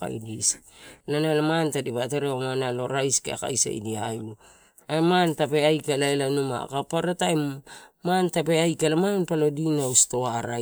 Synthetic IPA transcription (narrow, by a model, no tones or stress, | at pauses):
a̰jdislanalamantadiβateɾeomanalo̞ɾajskḛa̰ka̰jsa̰j̰diajlu | aemantapeajkalaelanuma̰kapaɾataemantapeajkalamanpalodinaustoaɾa